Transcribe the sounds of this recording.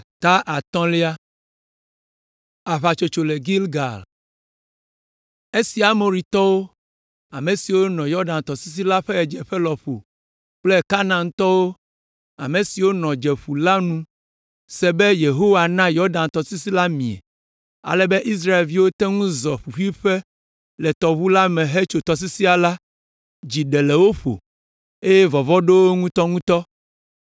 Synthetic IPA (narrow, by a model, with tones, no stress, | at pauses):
t̪a˦ʔa˨t̪ɔ̃˦le˦a˦ | a˨βa˨t͡ʃo˨t͡ʃo˨le˨ɡi˦lɡa̰˨l | e˦si˨a˨mo˨ɾi˨t̪ɔ˦wo˦ | a˨me˨si˨wo˦nɔ̃˨jɔ˦ɖã˨nt̪ɔ˨si˦s̬i˦la˦ɸɛ˦ɛ˨d͡ʒɛ˨ɸɛ˦lɔ˨ɸo̰˨ | k͡plɛ˦ka˦nã˨n˦t̪ɔ˦wo˦ | a˨mẽ˨si˨wo˦nɔ̃˨d͡ʒɛ˨ɸu˨la˦nũ˦ | sɛ˨bɛ˦je˨ɦo˦wa˨nã˦jɔ˦ɾɖã˨nt̪ɔ˨si˦si˦la˦mĩ˨ɛ̰˨ | a̰˨lɛ˨bɛ˦ʔi˦s̬ɾa˦e˨lvi˦wo˦t̪ɛ˦ŋũ˦zɔ˨ɸu˨ɸi˦ɸɛ˦ | lɛ˨t̪ɔ˨βu˦la˦mɛ̃˨ɦe˦t͡ʃo˨t̪ɔ˨s̬i˦si˦a˨la˦ | d͡ʑi˨ɖɛ˨lɛ˨wo˦ɸo̰˨ | e˦jɛ˦vɔ˨vɔ˦ɖo˦wo˦ŋũ˦t̪ɔ˦ŋũ˦t̪ɔ˦